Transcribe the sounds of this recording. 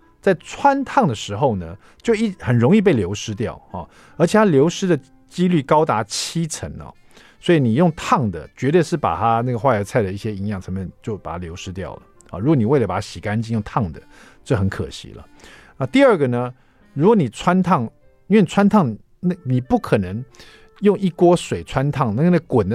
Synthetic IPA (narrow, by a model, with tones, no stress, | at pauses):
t͡sa˥˩ɪt͡sʰwa˥nt̪ʰɑ˥˩ŋd̪ə˩ʂɻ̩˧˥xo˥˧ʊnə˩ | t͡ɕjo˥˧ʊi˥˩xə˨˩nɻʊ˧˥ŋi˥˧p̬e˥˩ɪljo˧˥ʊʂɻ̩˥t̪jɑ˥˩ʊɐ̰˨˩ | ə˞˧˥t͡ɕʰjɛ˨t̪ʰa˥ljo˧˥ʊʂɻ̩˥d̪ə˨ | t͡ɕi˥ly˥˩kɑ˥ʊt̪a˧˥t͡ɕʰi˥t͡sʰə̰˧˥ŋɐ̰˧˩ | swɔ˧˥i˧˥ni˨˩jʊ˥˩˧ŋt̪ʰɑ˥˩ŋd̪ə˩t͡ɕɥɛ˧˥t̪e˥˧ʂɻ̩˥˩pa̰˨˩t̪ʰa˦˥na˥˩ɡə˩xwa˥˩ə˧˥t͡sʰa˥˩ɪd̪ə˩i˥˩ɕjɛ˥i˧˥ŋjɑ˥˩ŋt͡sʰɤ˧˥mɛ˥˧nt͡ɕjo˥˩ʊpa˨˩a˥ljo˧˥ʊʂɻ̩˥t̪jɑ̰˥˩ʊlə̰˩˨˩ɻu˧˥kwɔ˧˦ni˨˩we˥˩ɪlə˩pa˨˩a˥ɕi˨˩ka˥nt͡ɕi˥njʊ˥˧ŋt̪ʰɑ˥˩ŋd̪ə̰˩ | t͡ɕo˥˩xə˧˥nkʰə̰˨˩ɕḭ˥˦lə̰˨ | na˥˧t̪i˥ə˞˥˩ɡə˩nə˦ | ɻu˧˥kwɔ˧˩˦ni˨˩t͡sʰwa˥nt̪ʰɑ˥˩ŋ | i˥nwɛ˥˩ni˨˩t͡sʰwa˥nt̪ʰɑ˥˩ŋ | na˥˧ni˨˩pu˥˩kʰɤ˨˩nə˧˥ŋ | jʊ˥˧ŋi˥˩kwɔ˥swe˨˩ɪt͡sʰwa˦nt̪ʰɑ˥˩ŋna˥˩˧nə˥˩ɡə˧kwə˨˩nd̪